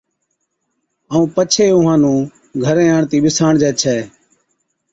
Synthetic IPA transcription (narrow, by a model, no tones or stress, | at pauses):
əːũːpət͡ʃʰeːʊɦãːnũː | ɡʱəɾẽːaːɳt̪iːɓɪsaːɳd͡ʒɛːt͡ʃʰɛː